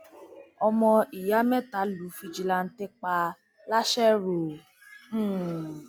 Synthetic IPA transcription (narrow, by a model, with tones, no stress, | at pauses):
ɔ˧mɔ̃˧i˨ja˨˦mɛ̃˦ta˨˦lu˨˦fi˧d͡ʒi˧la˧n̩˦te˦k͡pa˧ | la˦ʃɛ˦ɾo˨˦